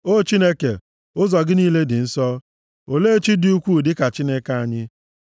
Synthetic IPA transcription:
o˦˨t͡ʃi˦ne˦ke˨ | ʊ˦zɔ˨ɡɪ˦niː˦le˦dɪ˨n̩˦sɔ˦ | o˨le˦e˦t͡ʃi˦dɪ˦u˦kʷu˦˨dɪ˦ka˨t͡ʃi˦ne˦ka˦a˦ɲɪ˦

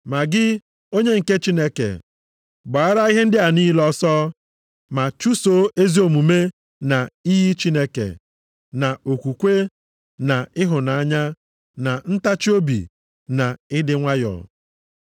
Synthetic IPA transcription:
ma˨ɡɪ˦ | o˦ɲe˦ŋ̩˨ke˦t͡ʃi˦ne˦kḛ˨ | ɡ͡ba˨a˦ɾa˦i˦ɦe˦n̩˦dɪ˦a˨ni˦lɔ˦sɔː˦ | ma˨t͡ʃu˦so˨˦e˦zi˦o˨mu˨me˦ | na˨i˦ɦi˦t͡ʃi˦ne˦kḛ˨ | na˨o˨kʷu˨kʷe˦ | na˨ɪ˦ɦʊ˨na˨a˦ɲa˦ | na˨n̩˦ta˦t͡ʃi˦o˦bḭ˨ | na˨ɪ˦dɪ˦ŋʷa˦jɔ̰˨

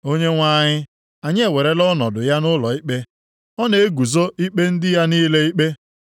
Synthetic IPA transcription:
o˦ɲe˦ŋʷa˦˨ɲɪ˦ | a˨ɲɪ˦e˨we˨ɾe˦lɔ˦nɔ˨dʊ˨ja˦nʊ˦lɔ˨i˦k͡pe˦ | ɔ˦ne˨e˦ɡu˨zo˦i˦k͡pe˦n̩˦dɪ˦ja˦niː˦le˦i˦k͡pe˦

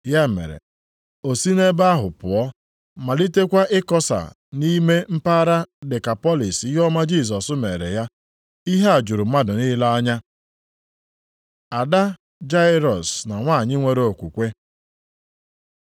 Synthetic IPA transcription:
ja˦mḛ˨ɾḛ˨ | o˨si˦ne˦ba˦ɦʊ˨pʊ˨ɔ˦ | ma˨li˦te˦kʷa˦ʔɪ˦kɔ˦sa̰˨ | ni˦me˦m̩˦pa˦ɾa˦dɪ˨ka˨pɔ˦li˨si˦ɦɔ˦ma˦d͡ʒi˦˨s̬ɔ˨sʊ˦me˨ɾḛ˨ja˦ | i˦ɦe˦a˨d͡ʒu˨ɾu˨ma˦dʊ˨ni˦la˦a˦ɲa˦ | a˨da˦ | d͡ʒa˦ɪ˦ɾɔ˨sna˨ŋʷa˦˨ɲɪ˦ŋʷe˨ɾe˦o˨kʷu˨kʷe˦

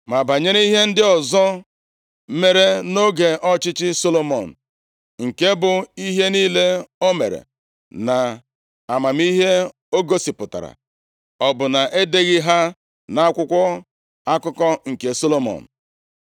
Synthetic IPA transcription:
ma˨ba˨ɲe˦ɾi˦i˦ɦe˦n̩˦dɪ˦ɔ˨zɔ˦ | me˨ɾe˦no˦ɡe˨ʔɔ˦t͡ʃɪ˦t͡ʃɪ˦so˦lo˦mɔ̰˨n̩˨ | ŋ̩˨ke˦bʊ˨i˦ɦe˦niː˦le˦o˦me˨ɾḛ˨ | na˨ | a˨ma˨m˦i˦ɦe˦ | o˦ɡo˦si˨pʊ˨ta̰˨ɾa̰˨ | ɔ˨bʊ˨na˨ʔe˦de˦ɣɪ˦ɦa˦ | na˦a˦kʷʊ˦kʷɔ˦ | a˦kʊ˦kɔ˦ŋ̩˨ke˨so˦lo˦mɔ̰˨n̩˨

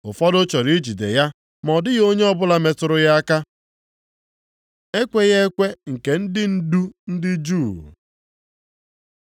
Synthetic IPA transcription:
ʊ˨fɔ˦dʊ˦t͡ʃɔ˨ɾi˦d͡ʒi˨dḛ˨ja˦ | mɔ˨dɪ˦ɣo˦ɲe˦ɔ˦bʊ˦la˦me˨tʊ˨ɾʊ˦ja˦a˦ka˦ | e˦kʷe˦ɣe˦e˦kʷe˦ŋ̩˨ke˨n̩˦dɪ˦n̩˦du˦n̩˦dɪ˦d͡ʒu˦˨

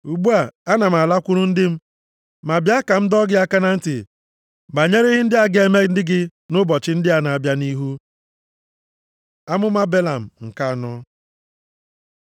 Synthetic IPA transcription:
u˨ɡ͡bu˦a˨a˦na˨m̩˨a˨la˦kʷʊ˦ɾʊ˦n̩˦dɪ˦m̩˦ | ma˨bja˦ka˨m̩˦dɔ˦ɡɪ˦a˦ka˦na˦n̩˦tɪ˨ | ba˨ɲe˦ɾe˦ɣɪ˦n̩˦dɪ˦a˦ɡe˦me˦dɪ˦ɡɪ˦nʊ˦bɔ˨t͡ʃɪ˦n̩˦dɪ˦a˨na˨a˨bja˦ni˦ɦu˦ | a˦mʊ˦ma˦be˦la˨m̩˨ŋ̩˨ka˦a˨nɔ˦

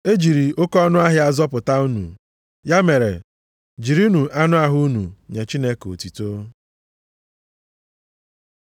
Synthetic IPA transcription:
e˦d͡ʒi˨ɾi˨ʊ˦kɔ˦nʊ˦a˦ɦɪ˦a˦zɔ˦pʊ˨ta˦u˦nṵ˨ | ja˦me˨ɾḛ˨ | d͡ʒi˨ɾi˦u˦nu˨ʔa˦nʊ˦a˦ɦʊ˦u˦nṵ˨ɲe˨t͡ʃi˦ne˦ko̰˨ti˨to˦

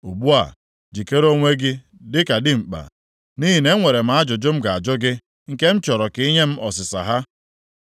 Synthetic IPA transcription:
u˨bu˦a̰˨ | d͡ʒi˨ke˦ɾo˦ŋʷe˦ɡɪ˦ | dɪ˦ka˨dɪ˦ŋ͡m̩˨k͡pa̰˨ | ni˦ɦi˨ne˦ŋʷe˨ɾe˨m̩˦a˦d͡ʒʊ˨d͡ʒʊ˦m̩˦ɡa˨a˨d͡ʒʊ˦ɡɪ˦ | ŋ̩˦ke˦m̩˦t͡ʃɔ˨ɾɔ˨ki˦ɲe˦m̩˦ʔɔ˨sɪ˨sa̰˨ɦa˦

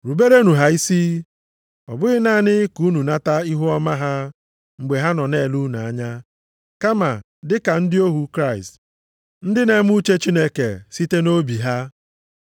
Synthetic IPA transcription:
ɾu˨be˦ɾe˦nu˨ɦa˦i˦si˦ | ɔ̰˨bʊ˦ɣɪ˦naː˦nɪ˦ku˨˦nu˨na˦ta˦i˦ɦu˦ɔ˦ma˦ɦa˦ | ŋ͡m̩˨ɡ͡be˨ɦa˦nɔ˨ne˨lu˦na˨a˦ɲa˦ | ka˦ma˨ | dɪ˦ka˨n̩˦dɪ˦o˦ɦu˦kɾa˦ɪ˨st | n̩˦dɪ˦ne˨˦m˦u˦t͡ʃe˦t͡ʃi˦ne˦ke˨si˦te˦no˦bi˨ɦa˦

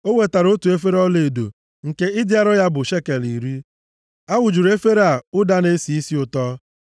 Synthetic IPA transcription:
o˦we˨ta˨ɾo˦tu˨e˦fe˦ɾɔ˦le˨do̰˨ | ŋ̩˨ke˦ɪ˦dɪ˦a˦ɾɔ˦ja˦bʊ˨ʃe˦ke˨li˨ɾi˦ | a˦wʊ˨d͡ʒu˨ɾe˦fe˦ɾa˨ʊ˦da˦ne˦si˨i˦si˦ʊ˨tɔ˦

